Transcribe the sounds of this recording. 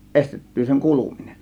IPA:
ʔestetːyː seŋ kuluminen

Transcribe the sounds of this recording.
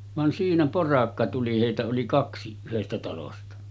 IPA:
ʋɑn siːnæ porɑkːɑ tuli heˑitæ oli kɑksi yhestæ tɑlostɑ

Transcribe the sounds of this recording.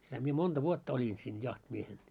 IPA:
sitæ mie mond̥ɑ ʋuotːɑ olʲin siːn jɑhtimiehen

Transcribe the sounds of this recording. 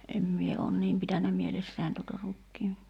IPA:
em mie oːn niːm pitænːæ mielesːæˑin tutɑ rukːiː

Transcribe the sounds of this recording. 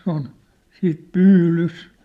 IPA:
on siːt pyːlys

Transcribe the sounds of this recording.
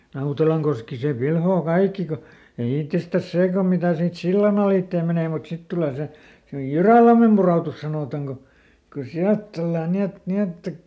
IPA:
nɑutelɑŋkoski se pilhoː kɑikːi ko jo itːestæs seː kom mitæˑ siːt silːɑn ɑliˑtːeː meneˑ mut sit tuleˑ se jyræˑlɑmːem puroˑtus sɑnoˑtɑŋ ko ko siælt tulːɑn ni et ni etːæ

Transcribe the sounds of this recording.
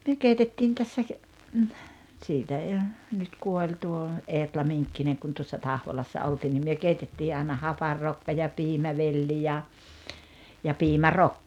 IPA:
myø keitetːiːn tæsːæ siːtæ ei o nyt kuolʲ tuo eːtlɑ miŋkːineŋ kun tuosːɑ tɑhʋolɑsːɑ ʔoltiːn nim myø keitetːiː ɑi̞nɑ hɑpɑrːokːɑ jɑ piːmæʋelːi jɑ jɑ piːmærokːɑ

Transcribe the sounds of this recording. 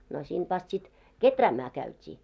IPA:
no sint ʋɑst sit ketræːmæː kæytʲiː

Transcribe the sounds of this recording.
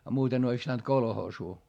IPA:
ɑ muːten ois pĭtænt kolhoːsuː

